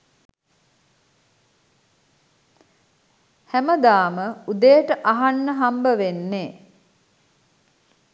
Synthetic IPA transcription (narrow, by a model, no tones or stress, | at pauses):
hæməd̪aːməud̪ejʈəʔaɦanːəɦambəʋenːeː